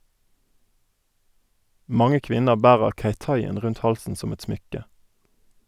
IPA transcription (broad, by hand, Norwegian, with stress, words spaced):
ˈmɑŋə ˈkʋɪnəʁ ˈbæːʁəʁ ˈçeɪˌtɑɪɛn ˈʁʉnt ˈhɑlsn̩ ˈsɔm ˈɛt ˈsmʏkə